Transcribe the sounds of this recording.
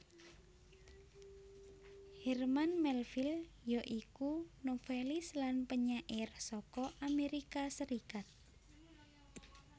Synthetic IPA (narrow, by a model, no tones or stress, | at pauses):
hɛrmanmɛlfil | jɔʔikunofelɪslanpəɲaʔersɔkɔʔameɾikasəɾikat̪̚